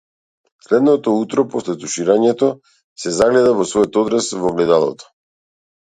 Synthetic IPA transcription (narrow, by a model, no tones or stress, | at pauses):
slɛd̪nɔt̪ɔut̪ɾɔpɔslɛt̪uʃiɾaɲɛt̪ɔ | sɛzaɡlɛd̪avɔsvɔjɔt̪ɔd̪ɾasvɔvlɛd̪alˠɔ̰t̪ɔ̥